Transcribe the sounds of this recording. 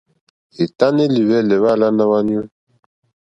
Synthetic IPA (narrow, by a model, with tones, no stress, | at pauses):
e˨ta˦ne˦li˨wɛ˦˨lɛ˨βa˦˨la˦na˦βa˦ni˦u˦